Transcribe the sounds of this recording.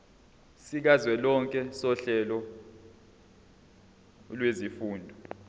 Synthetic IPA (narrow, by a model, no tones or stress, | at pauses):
sik̬azwɛlɔŋkʼɛsɔɬɛlɔ | lwezifuːndʱɔ